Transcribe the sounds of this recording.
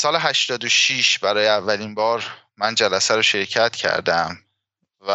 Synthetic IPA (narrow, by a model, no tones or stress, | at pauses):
sɒːleɦæʃt̪ɒːd̪oʃiʃbæɾɒːjeævːælinbɒːɾ | mænd͡ʒælæsæɾoʃe̞ɾcʰæt̪cʰæ̰ɾd̪æm | væ